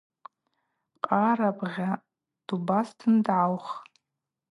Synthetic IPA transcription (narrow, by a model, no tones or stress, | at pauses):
qʼaɾabʁʲa | d̥ubastʰɨndʕawχ